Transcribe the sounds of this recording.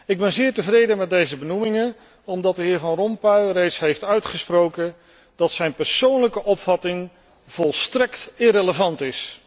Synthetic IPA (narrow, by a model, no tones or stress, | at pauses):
ɪɡ̚bɛnzɪːɹtəvrejdəmɛt̚dejzəbənumɪŋən | ɔmdɑt̚dəɦɪːɹvɑnrɔmpœɥrejtsɦejftœɥtχəsprowkən | d̥ɑtsɛjnpɛɹsownləkəʔɔpfɑtɪŋ | v̥ɔlˠstrɛktɪreləvɑntɪs